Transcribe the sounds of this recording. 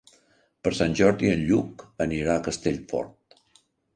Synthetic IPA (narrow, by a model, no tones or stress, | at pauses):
pəɾsanʲʒɔɾðiənʎukəniɾaəkəst̪eʎfɔ̰ɾt̪̚